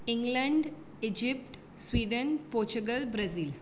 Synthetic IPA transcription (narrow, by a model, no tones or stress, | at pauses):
iŋɡlɐɳɖ | id͡ʒipʈ | swiːɖ̪ənpoːɾt͡ʃuɡɐlbɾɐzil